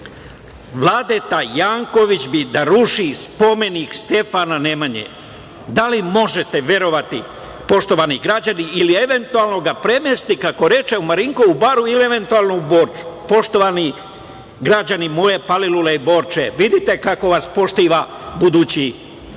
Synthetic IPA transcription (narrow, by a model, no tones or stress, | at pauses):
ʋlˠaːd̪et̪ajaːŋko̞ʋit͡ɕbid̪aɾuʃispo̞me̞nikst̪e̞fanane̞maɲḛ | d̪alimo̞ʒe̞t̪e̞ʋʲje̞ɾo̞ʋat̪ḭ | po̞ʃt̪o̞ʋaniɡɾad͡ʑaniilie̞ʋe̞nt̪ualˠno̞ɡapɾe̞mest̪ikako̞ɾe̞t͡ʃe̞umaɾiŋkoubaːɾuilie̞ʋe̞nt̪ualˠnouboːɾt͡ʃu̥po̞ʃt̪o̞ʋani | ɡɾad͡ʑanimoje̞paliluleibo̞ɾt͡ʃeʋid̪it̪e̞kako̞ʋaspo̞ʃt̪iʋa | bud̪uːt͡ɕi